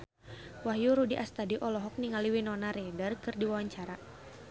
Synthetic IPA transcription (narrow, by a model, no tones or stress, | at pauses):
waɦjuɾudiʔast̪adiʔɔlɔɦɔk̚niŋaliwinɔnaɾɛdərkɨrdiwawaɲt͡ʃaɾa